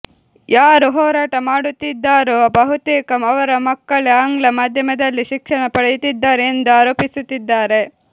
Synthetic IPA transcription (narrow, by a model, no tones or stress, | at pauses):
jaːɾuɦɔːɾaːʈɐmaːɽut̪ːid̪ːaːɾubʱɐɦut̪eːkɐmɐʋɐɾɐmɐkːɐɭeaːŋɡɭɐmaːd̪ʱjɐmɐd̪ɐlːiʃikʂɐɳɐpɐɽejut̪id̪ːaːɾeːnd̪uaːɾoːpisut̪ːid̪ːaːɾe̞